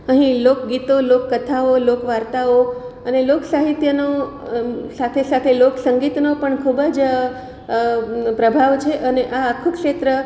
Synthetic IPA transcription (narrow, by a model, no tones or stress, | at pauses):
əɦĩlokɡit̪olokːət̪ʰaolokʋaɾt̪ao | əneloksaɦit̪jəno | sat̪ʰesat̪ʰeloksəŋɡit̪nopəɳkʰubəd͡ʒ | pɾəbʱaʋt͡ʃʰeʔəneʔaːkʰũkʃet̪ɾə